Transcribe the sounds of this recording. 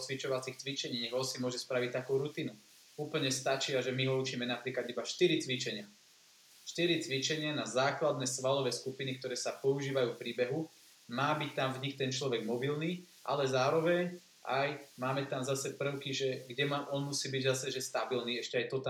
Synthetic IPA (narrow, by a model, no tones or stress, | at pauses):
t͡sʋit͡ʃɔʋat͡sixt͡sʋit͡ʃɛɲiːɲɛɣɦɔsimʊɔʒɛspɾaʋic̚t̪akuːɾut̪iːnu | uːpl̩ɲɛst̪at͡ʃiaʒɛmiɦɔut͡ʃiːmɛnapɾiːklad̪ibaʃt̪iɾit͡sʋit͡ʃɛɲɪa | ʃt̪iɾit͡sʋit͡ʃɛɲɪanazaːklad̪nɛsʋalɔʋɛːskupinik̚t̪ɔɾɛːsapɔuʒiːʋajuːfpɾiːbɛɦu | maːbict̪amvɲixt̪ɛnt͡ʃlɔʋɛɡmɔbilniː | ʔa̰lɛzaːɾɔʋɛɲ | ʔajmaːmɛt̪amzasɛpr̩ʊkiʒɛɡɟɛmaʔɔnmusiːbiɟzasɛʒɛst̪abilniːɛʃcɛajt̪ɔt̪a